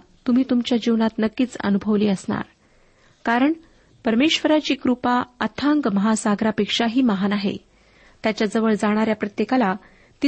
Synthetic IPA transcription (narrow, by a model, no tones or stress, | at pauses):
t̪um̤iːt̪umt͡ɕjad͡ʑiʋnat̪nəkːiːt͡sə̰nubʱəʋliːəsɳa̰ɾ | kaɾəɳ | pəɾmeɕʋəɾat͡ɕiːkɾupaət̪ʰaŋɡməɦasaɡɾapekʂaɦiːməɦanaɦḛ | t̪jat͡ɕjad͡zəʋəɭd͡zaɽ̃aɾjapɾət̪jekala | t̪i